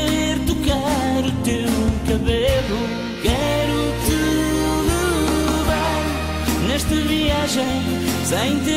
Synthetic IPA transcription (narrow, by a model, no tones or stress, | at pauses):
eɾt̪ukaɾut̪ewwkɐβelˠu | kɛ | ɾu | k̪ɨ | lɨva | nɛʃt̪ɐviaʒẽj̃ | sɐ̃j̃t̪